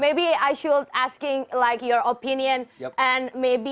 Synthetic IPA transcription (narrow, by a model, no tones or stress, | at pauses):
meɪbiaɪʃuldæskɪ̃ŋlaɪkjɔɹopɪ̃njə̃nʔɛ̃nmeɪbi